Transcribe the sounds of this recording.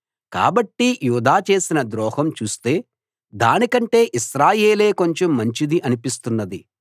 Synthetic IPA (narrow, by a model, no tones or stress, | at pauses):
ka̰ːbɐʈːijuːd̪aːt͡ʃe̞ːsinɐd̪ɾɔːhɐmt͡ʃuːst̪e̞ː | d̪aːnikɐɳʈe̞ːʔiʃɾaːje̞ːle̞ːko̞ɲt͡ʃomːɐɲt͡ʃid̪iʔɐnipist̪unːɐd̪i